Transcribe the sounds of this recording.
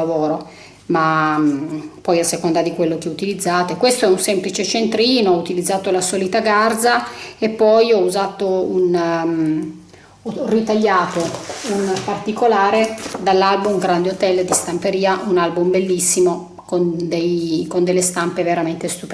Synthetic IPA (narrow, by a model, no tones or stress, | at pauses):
avoːɾo | ma | pɔjasːekond̪ad̪ikwelːokɛut̪ilid̪zːaːt̪oekwest̪oɛunsɛmplit͡ʃet͡ʃent̪ɾiːnoɔut̪ilid̪zːaːt̪olasɔːlit̪aɡard̪zaepːɔjɔuzaːt̪oun | ɔrːit̪aʎːaːt̪ounpart̪ikolaːɾed̪alːalbumɡɾand̪eot̪ɛlːd̪ist̪ampeɾiːaʔunalbumbelːisːimo | kond̪ejkond̪elːest̪ampeveɾament̪est̪up